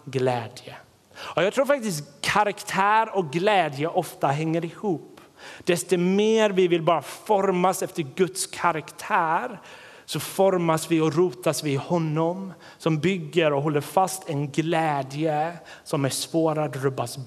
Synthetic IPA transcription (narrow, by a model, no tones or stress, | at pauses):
ɡlɛːd̪jə | ɔjɑɡt̪ʰɾuːɾfak̚t̪ɪst̪kʰːaɾakt̪ʰæːɾɔk̚ɡlɛːd̪jəʔɔft̪aɦɛŋːəɾɪhuːp | d̪̥ɛst̪ɔmeːɾvɪvɪlbɑːɾafɔɾmasɛft̪əɾɡɵt̪skʰaɾakt̪ʰæːɾ | sɔfɔɾmasvɪɔɾuːt̪asvɪhɔnːɔm | sɔmbʏɡːəɾɔɦɔlːəɾfast̪ʰɛnɡlɛːd̪jə | sɔmæspoːɾad̪ɾɵbːas